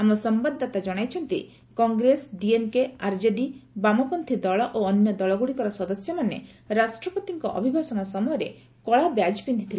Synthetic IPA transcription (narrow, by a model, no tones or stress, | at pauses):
amɔsɔmbad̪ʱːat̪ad͡ʒɔɽ̃ajt͡ʃʰɔnt̪ḭ | kɔŋɡɾesɖiemkeaɾd͡ʒeɖibamɔpɔnt̪ʰid̪ɔɭɔʔoːnjɔd̪ɔɭɔɡuɽikɔɾɔsɔd̪ɔsjɔmanḛ | ɾasʈɾɔpɔt̪iŋkɔʔɔ̰bʱibʱasɔnɔsɔmɔjɔɾe | kɔɭabjad͡ʒpind̪ʰit̪ʰil